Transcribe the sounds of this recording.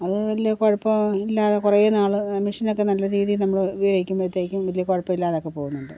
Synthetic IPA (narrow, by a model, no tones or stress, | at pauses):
ɐðɨʋɐliokoɻɐpːɐilːaːðɐkurɐjenaːɭɨɐmiʂɐnokːe̞nɐlːɐɾiːðinɐmːɐɭubjoːɡʱikʲːumʋɐt̪ːeːikʲːumʋɐlijɐkoɻɐpːɐmilːaːðokːepo̞ːɣunːuɳɖɨ